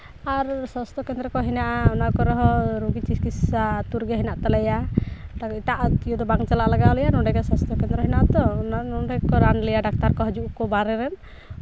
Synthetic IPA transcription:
aɾsɔst̪ʰɔkɛnd̪ɾɔkɔɦinaʔaɔnaʔkɔɾɔɦɔɾuɡit͡ʃiskisat̪uɾɡɛɦinaʔt̪alɛjaaiʈaʔijɔd̪ɔbaŋt͡ʃalaʔlaɡaɔlɛjanɔɖɛɡɛsast̪ʰɔkɛnd̪ɾɔɦinaʔt̪ɔnaɔɖɛkɔɾanlijaɖak̚t̪aɾkɔɦɔd͡ʒuʔkɔbaɾɛɾɛn

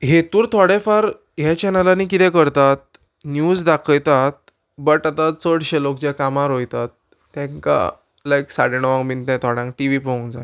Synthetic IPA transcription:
ɦet̪uːɾt̪ʰɔɽefaɾ | ɦjat͡ɕɛnəlanikit̪ɛ̃kəɾt̪at̪̚ | njud͡zd̪akʰəjt̪at̪̚ | bəʈat̪at͡səɽɕelok̚d͡ʑakamaɾɦojt̪at̪̚ː | ɛ̃ŋka̰ | lajksaɽenəʋãŋɡmint̪ɛ̃t̪ʰɔɽãŋk̚ʈiʋipəũnd͡za̰j

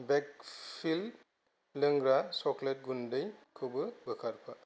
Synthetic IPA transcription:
bɛk̚pʰilː | ɯŋɡɾasɔklet̚ɡundɯjkʰubɯbəkʰaɾpʰa

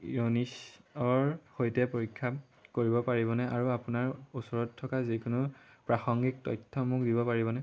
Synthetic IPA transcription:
jonisɔɹxojtɛpoɹikʰːa | koɹibɔpaɹibɔnɛʔaɹuapunaɹusɔɹɔtʰːɔkazikunʊpɹaxɔŋɡik̚tɔ̰jtʰːɔmʊk̚dibɔpaɹibɔnɛ

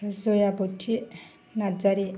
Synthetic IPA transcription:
zojaboʈʰːi | nad͡zaɾi

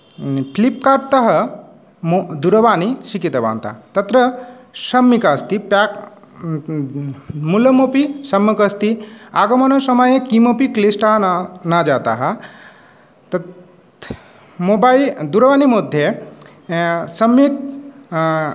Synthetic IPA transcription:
plip̚kaɖt̪ɐɦɐ | od̪uɾɐʋaːniʃikit̪ɐba̰ːnt̪a̰t̪ɐt̪ɾɐsɐmːikast̪ipak | mulɐmopisɐmːɐkɐst̪iaːɡɐmɐnɐsɐmɐjekimopiklisʈaɦɐnad͡ʒaːt̪a̰ɦɐ | t̪ | mobaid̪uɾɐʋaːnimod̪ʱːje | sɐmik̚

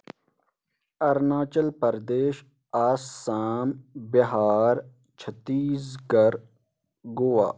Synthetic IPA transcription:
ɐɾnaːt͡ʃəlpɐɾd̪eːʃ | aːsːaːmbɐɦaːɾ | t͡ʃʰət̪iːzɡɐɾ | ɡoːʋa̰ː

